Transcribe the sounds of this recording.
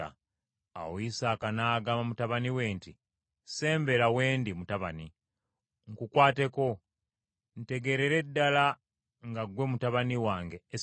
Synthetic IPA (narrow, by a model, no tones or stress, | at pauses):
a̰ | a̰woisaːkanaːɡaːmamutaβaniwe̞ːnti | se̞ːmbe̞lawe̞ːndimutaβani | ŋkukwaːte̞ko̞ | n̩te̞ɡe̞ɾe̞ɾe̞dːala | ŋɡaɡwe̞mutaβaniwaːŋɡe̞ː